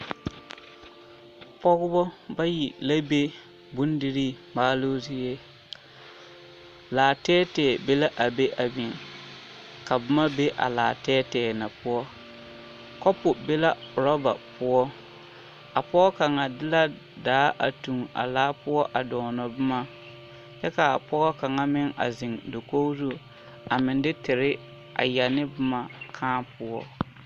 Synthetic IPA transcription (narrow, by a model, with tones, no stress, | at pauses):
pɔ˦ɣʊ˦bɔ˦ba˦ji˨la˦be˦ | bʊ˦ndi˦ɾi˦maː˦loː˦zɪ˦je˦ | laː˨tɛː˦tɛː˨be˦la˦ʔa˨be˦ʔa˨bi˨ŋ | ka˨bɨ˦ma˦be˦ʔa̰˨laː˨tɛː˦tɛː˨na˨pʊ˦ɔ˦ | kɔ˦pʊ˨be˦la˦ʊ˨ɾɔ˦ba̰˨pʊ˦ɔ˦ | a˨pɔ˦ɣɔ˦ka˨ŋa˨dɪ˦la˦ | daː˨˦ʔa̰˨tu˨ŋa̰˨laː˦pʊ˦ɔ˦ʔa˨dɔ˨ŋnɔ˨bʊ˦ma˦ | t͡ʃɛ˦ka˨a˨pɔ˦ɣɔ˦ka˨ŋa˦mɪ˦ŋa̰˨zɪ˨ŋdo˨ko˦zo˦ | a˨mɪ˨ndɪ˦tɪ˨ɾɪ˦ | ʔa̰˨ja˨nɪ˦bʊ˦ma˨kʰãː˦pʊ˦ɔ˦